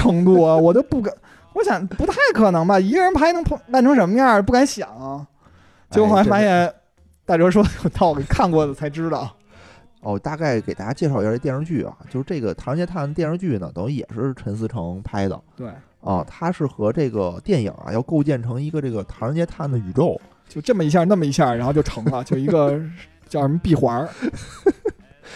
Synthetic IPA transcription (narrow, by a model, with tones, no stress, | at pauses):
ʈ͡ʂʰɤ˧˥ŋt̪u˥˩ɐ˩wɔ˨˩t͡ɕo˥ʊpu˥˩ka˧˩ | wɔ˧˥ɕjɑ˨˩˦ŋpu˧˥t̪ʰa˥˩ɪkʰɤ˨˩nɤ˧˥ŋbɐ˧i˧˥˧ɻə˧˥npʰa˥ɪnɤ˧˥ŋʰ˥p̪a˥˩nʈ͡ʂʰɤ˥ŋʂə˧˥nmə˧ja˥˩pu˥˩ka˧˥nɕjɑ˨˩˦ŋɐ˦˩ | t͡ɕjo˥˧ʊxo˨˩˧fa˧˥jɛ˧˥ | t̪a˥˩t͡ɕɔ˥ʂ̬wɔ˥˧jo˨˩t̪ɑ˥˩ʊɡkʰa˥˧nkwɔ˥˩d̪ə˩t͡sʰa˧˥ɪʈ͡ʂɻ̩˥d̪ə̰˨ | ɔ˥˩˨t̪a˥˧ka˥˩ɪke˨˩ɪt̪a˥˧˩t͡ɕja˥t͡ɕjɛ˥˧ʂɑ˥˩˧jʂɤ˥t͡ɕy˥˩ɐ̰˨˩t͡ɕjo˥˧ʂɻ̩˧˥ʈ͡ʂe˥˩ɡə̰˩t̪ʰa˧˥ɻt͡ɕjɛ˥t̪ʰa˥˩nt̪jɛ˥˧nɻɤ˥ŋt͡ɕy˥˩nə̰˩t̪ʊ˧˥ŋɕi˧˩jɛ̰˨˩ʂɻ̩˥˧ʂɻ̩˥˩ʈ͡ʂʰə˧˥ns̬ɹ̩˧˥ʈ͡ʂʰɤ˧˥ŋpʰa˥ɪd̪ə̰˨˩t̪we˥˩ɪ | ɐ̰˧˩t̪ʰa˥ʂɻ̩˥˩xɤ˧˥ʈ͡ʂɤ˥˩ɡə˩t̪jɛ˥˩nḭ˨˩˦ŋɐ̰˧˩jɑ˥˧ʊko˥˧ʊt͡ɕjɛ˥˩nʈ͡ʂʰɤ˧˥ŋi˧˥ɡə˧ʈ͡ʂɤ˥˩ɡə˩t̪ʰa˧˥ɻə˧˥t͡ɕjɛ˥t̪ʰa˥˩nd̪ə˩y˨˩ʈ͡ʂo˥˧˩ʊ | t͡ɕjo˥˧ʊʈ͡ʂɤ˥˩mə˩i˧˥ɕ̬ja˥˧na˥˩mə˩i˧˥ɕja˥˩ɻa˧˥xt͡ɕo˥˩ʊʈ͡ʂʰɤ˧˥ŋlə˧t͡ɕjo˥˩ʊi˧˥ɡə˧ | t͡ɕjʊ˧˥pi˥˩xwa˧˥